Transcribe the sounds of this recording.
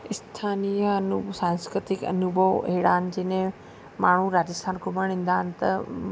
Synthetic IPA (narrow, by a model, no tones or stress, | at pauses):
ɪst̪ʰaːnijəɐnusãːnskɾɪt̪ɪkɐ̰nubʱəʋeːɽaːn̆d͡ʑɪnẽ | maːɳ̤uɾaːd͡ʑəst̪ʰaːnkʊmə̃ĩːn̆d̪aːɦɪnɪ̆t̪ɐ